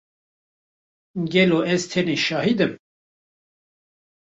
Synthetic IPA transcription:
ɡɛloɛzt̪ʰɛniʃɑːɦid̪ɨm

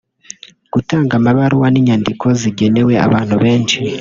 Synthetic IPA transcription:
ɡ̥utaːŋɡamaβaɾuwaniɲandikʰo̞ziɟe̞ne̞we̞a̰βaːn̥huβe̞ːnʃi

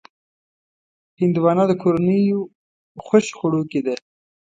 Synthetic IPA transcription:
hɪnd̪uwɑnɑd̪əkʰoɾanəjo | xəʃxʊɽoked̪e

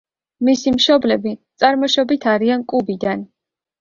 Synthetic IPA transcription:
misimʃɔblɛbit̪sʼaɾmɔʃɔbit̪ʰaɾiankʼubid̪an

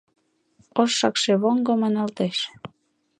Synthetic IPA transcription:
oʃːɑkʃeβoŋɡomɑnɑlt̪eʃ

